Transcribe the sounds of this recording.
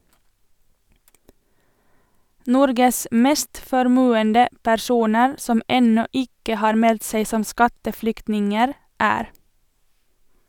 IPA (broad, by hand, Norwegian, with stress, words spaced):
ˈnɔɾɡəs ˈmeːst fɔɾˈmʉːəndə pæɾˈsuːnəɾ ˈsɔm ˈɛnɔ ˈɪkə ˈhɑːɾ ˈmɛlt ˈseɪ ˈsɔm ˈskɑtəˌflʏktnɪŋəɾ ˈæːɾ